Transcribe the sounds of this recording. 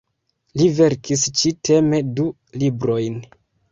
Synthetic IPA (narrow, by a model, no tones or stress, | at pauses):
live̞ɾkʰist͡ʃitʰe̞me̞du | libɾo̞jn